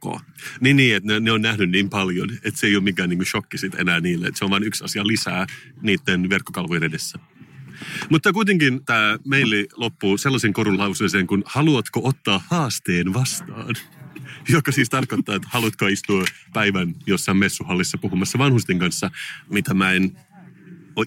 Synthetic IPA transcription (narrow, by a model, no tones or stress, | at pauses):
o̰ː | niːnniːet̪neneonnæhnynniːmpɑljonet̪seijoːmiŋkæːniːŋkuʃokːisit̪enæːniːlːeet̪seoʋɑːnyksɑ̰siɑlisæːniːt̪ːenʋerkːokɑlʋojnedesːæ | mut̪ːɑkuit̪eŋkint̪æːmeilːilopːuselːɑseŋkoɾulɑuwseseːŋkunhɑluɑt̪koʔot̪ːɑːhɑːst̪eːnʋɑst̪ɑ̰ːnjokːɑsiːst̪ɑrkot̪ːɑːet̪hɑlut̪koɑist̪uɑ | pæiʋænjosːɑimesːuhɑlːisːɑpuhumɑsːɑʋɑnhust̪iŋkɑnsːɑmit̪æmæen | o